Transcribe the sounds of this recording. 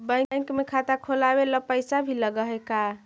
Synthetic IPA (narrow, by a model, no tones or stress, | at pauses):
bə̃jjŋkmekʰat̪akʰolabeləpəjsabʱiləɡəɦeka